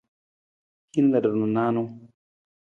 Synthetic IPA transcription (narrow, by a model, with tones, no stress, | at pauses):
hi˦n˦lɐ˨də˨ɾnu˨naː˦no˦